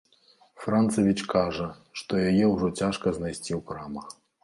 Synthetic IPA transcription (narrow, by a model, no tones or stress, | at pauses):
fɾant̪sɐvʲit͡ʂkaʐɐ | ʂt̪ɔjajɛwʐɔt͡sʲaʂkɐznajsʲt͡sʲiwkɾamɐx